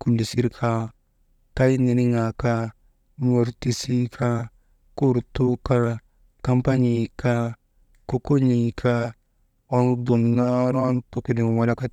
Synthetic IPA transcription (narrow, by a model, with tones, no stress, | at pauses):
ku˨ndi˨si˦ɾkʰa˦ | ka˦ji˦ni˨ɾi˦ŋa˨ka˦ | mo˨ɾti˦si˦kʰa˦ | ku˦ɾtu˦ka˦ | ka˦mpa˦ɲi˨ka˦ | ko˦ko˦ɲi˨kʰa˦ | o˦ndo˨nna˦ɾa˦nto˨ki˨ni˨wa˨˦la˦ka˦